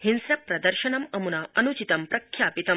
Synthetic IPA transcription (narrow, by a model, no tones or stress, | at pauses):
hinsɾɐpɾɐd̪ɐɾʃɐnɐmɐmunɐɐnut͡ʃit̪ɐmpɾɐkʰjaːpit̪ɐ